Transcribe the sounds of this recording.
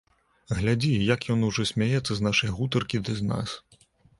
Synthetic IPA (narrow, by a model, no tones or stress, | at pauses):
ɣlʲad͡zʲijɐkjɔnuʐɔsʲmʲajɛt̪sːɐznaʂɐjɣut̪ɐrkʲid̪ɐzna̰s